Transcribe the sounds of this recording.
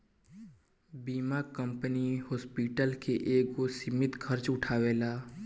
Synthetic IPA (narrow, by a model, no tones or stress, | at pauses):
biːmaːkə̃mpənihɔːspiːʈəlkʰeʔeːkosɪmɪt̪kʰəɾt͡ʃʊʈʰaːʋeːlaː